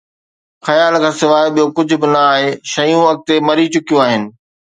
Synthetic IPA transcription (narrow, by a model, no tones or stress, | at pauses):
xɐjaːlkʰãːsɪʋaːɪɓijokʊd͡ʑʱʊbɪnɐaːɦeʃɐjũɐɡ̚t̪emɐɾit͡ɕʊkijõaːɦɪnɪ̆